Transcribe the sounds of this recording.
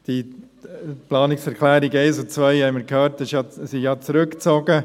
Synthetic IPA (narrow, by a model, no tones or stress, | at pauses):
d̥i | plɑːnɪksɛɾkʰlæːɾiɡɛɪsʊt͡svœɪhɛɪməɾkʰhœːɾtəsjɑsɪjɑt͡sɾʉkt͡sɔɡə